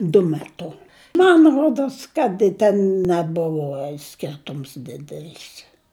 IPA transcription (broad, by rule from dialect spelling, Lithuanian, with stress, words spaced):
dʊ mʲɛˈtʊ mɐn ˈruɔdoːs kɐt ɪ ˈtʲɛn nʲɛˈbʊʋoː ˈsʲkʲɪrtʊms ˈdʲɪdʲɛlʲɪs